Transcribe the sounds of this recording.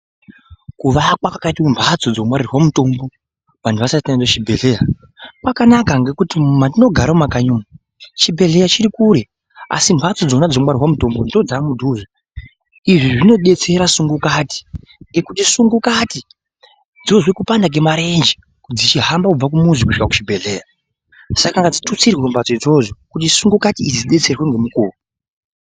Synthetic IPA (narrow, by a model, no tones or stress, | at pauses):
kuʋakwakakaitumbʰʱat͡sod͡zomwaɾirwamuto̞mbo̞ | ʋantʰuʋasaitad͡zoʃibʱe̞ɮe̞ja | kwakanakaŋɡe̞kutimumadino̞ɡʱaɾamakaɲuma | t͡ʃibʱe̞ɮe̞jat͡ʃiɾikuɾe̞ | a̰simbʱat͡so̞d͡zonad͡zomwarirwamuto̞mbo̞ndod͡zamudʱuʐa | iʐiʐino̞ɗe̞t͡se̞ɾasuŋɡukaːti̥ | ŋɡe̞kutisuŋɡukati | d͡zoʐwekupandak̬e̞maɾe̞nd͡ʒi | kud͡zit͡ʃiɦambakub͡vak̬umuzikuʃikaku̥t͡ʃibʱe̞ɮeːja | sakaŋɡad͡zitut͡sirwembat͡soid͡zo̞ʐokut̬isuŋɡukatiid͡ziɗe̞t͡se̞rwe̞ŋɡe̞mukuːru